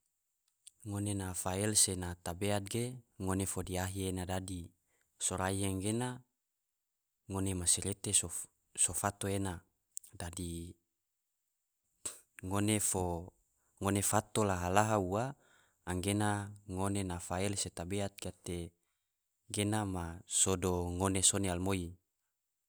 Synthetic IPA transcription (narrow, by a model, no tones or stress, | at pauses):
ŋonenafaɛlsenat̪abeat̪̚ɡeŋonefodiaɦienadadi | soɾaiaŋɡena | ŋonemasiɾet̪eso | sofat̪oena | dadi | ŋonefo | ŋonefat̪olaɦalaɦauaː | ŋɡenaŋonenafaɛlset̪abeat̪̚ɡat̪e | ɡenamasodoŋonesonealmoi